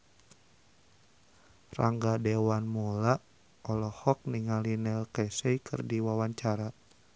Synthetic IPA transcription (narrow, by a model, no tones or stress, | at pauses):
raŋɡadewanmula | ɔlɔhɔk̚niŋalinɛlkɛsɛjkʰɨ̰rdiwawaɲt͡ʃaɾa